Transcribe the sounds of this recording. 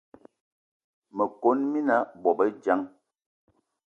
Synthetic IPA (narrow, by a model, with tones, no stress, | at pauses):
mə˨ko˦nmi˦na˦bɔ˨bə˦d͡ʒa˦ŋ